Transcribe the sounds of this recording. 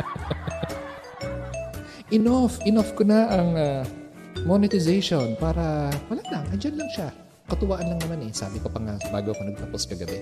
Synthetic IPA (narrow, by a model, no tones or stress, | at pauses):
ʔɪnafʔɪnafkonaʔɐŋa | monɪt̪ɪzejʃonpaːɾɐwɐlaʔlɐŋʔɐnd͡ʒanlɐŋʃa | kɐt̪ʊwaːʔɐnlɐŋnɐmanɛsa̰ːlɪpɐpɐŋaba̰ːɡoʔɐkonɐɡ̚pɐposkɐɡɐbɛ